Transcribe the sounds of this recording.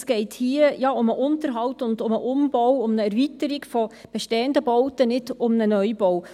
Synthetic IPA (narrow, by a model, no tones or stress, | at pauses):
sɡ̥ɛɪthiəjɑːʊməʔʊntəɾɦɑwtʊndʊməʔʊmb̥ɔwʊmnəɛɾvitəɾiɡfɔb̥ɛʃtɛːəndəbɔwtənɪd̥ʊmnənœʏbɔw